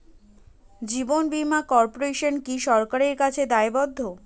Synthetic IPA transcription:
d͡ʑibonbimakɔɾpoɾeʃonkiʃɔɾkaɾeɾkat͡ɕʰed̪aebɔd̪ʱːo

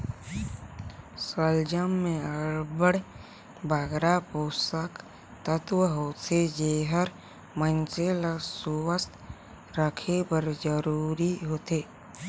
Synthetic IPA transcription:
səld͡ʒəmːẽəɾbəɽ | baɡɾapoːsək | t̪ət̪wəɦoːt̪ed͡ʒeːɦəɾ | mənt͡ʃeləsuwəst̪ | ɾəkʰepəɾd͡ʒəɾuːɾiɦot̪eː

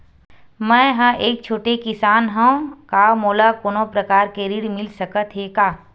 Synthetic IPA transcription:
mɛ̃ːɦə̃ʔeːk̚t͡ʃʰoːʈekɪsaːnɦɛ̃kaːmoːlakoːnopɾəkaːɾkeɾiɽmɪlsəkət̪ɦeːkaː

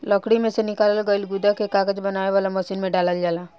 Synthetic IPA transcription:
ləkɽimẽsenɪkaːləlɡəlɡʊd̪akekaːɡəd͡ʒbɐnaːeʋaːlaməʃiːnmẽɖaːləld͡ʒaːlaː

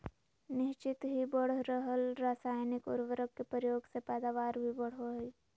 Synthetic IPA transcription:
nɪʃt͡ʃɪt̪ɦibəɽ̤ɾəɦəlɾaːsaːjnɪkʊ̰ɾʋəɾəkkːepɾjoːɡsepɛːd̪aːʋaːɾbʱibəɽ̤ɦoi

